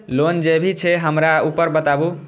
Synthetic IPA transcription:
lond͡ʒebʱit͡ʃʰɛɦəmɾaupəɾbət̪abu

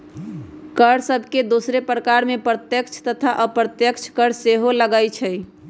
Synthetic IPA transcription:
kəɽsəbʱked̪osɾepɾəkaɾmepɾət̪jəkt͡ʃʰt̪ət̪ʰaʔəpɾət̪jəkt͡ʃʰkəɽseɦoləɡajt͡ʃʰəj

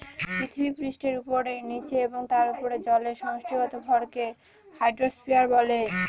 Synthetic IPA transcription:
pɾit̪ʰibipɾisʈeɾupoɾejnit͡ɕeeboŋt̪aɾupoɾed͡ʑɔleʃɔŋʃkʰɾiɡɔt̪obʱɔɾke | hajɖɾospiaɾbɔle

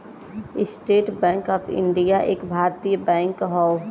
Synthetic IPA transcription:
ɪsʈeːʈbɛ̃ːŋkɔːpʰɪ̰̃ɳɖijaʔeːkbʱaːɾt̪ijəbɛ̃ːŋkɦɔː

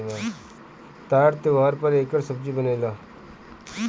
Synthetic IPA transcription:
la | t̪aːɾt̪eʋaːɾpəɾeːkəɾsəb̚d͡ʒibəneːlaː

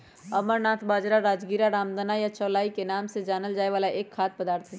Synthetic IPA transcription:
ɐməɾnaːt̪ʰbaːd͡ʒɾaɾaːd͡ʒɡiːɾaɾaːmd̪ənajat͡ʃɔːlaːikenaːmsed͡ʒaːnəld͡ʒaːeʋaːlaʔeːkʰːaːt̪̚pɐd̪aːɾt̪ʰɛ

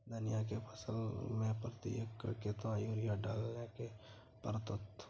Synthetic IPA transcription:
d̪ənjak̬epʰəsəlmẽpɾət̪ḭjəkket̪ãjuːɾɪjaɖaːlːẽke | pəɾt̪ət̪

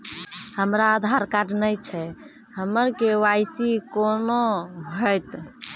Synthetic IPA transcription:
həmɾaːd̪ʱaɾkaʈnəjt͡ʃʰɛ | həməɾkewajsikonoɦəjt̪

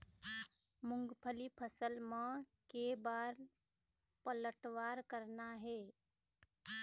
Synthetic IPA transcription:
mʊŋɡpʰəlipʰəsəlmãkebaːɾ | pələʈʋaɾkəɾnaɦe

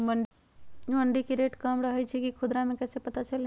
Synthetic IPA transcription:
məɳɖi | məɳɖikeɾeːʈkəmɾəɦɛt͡ʃʰikikʰʊd̪ɾamẽkɛːsepət̪at͡ʃəl

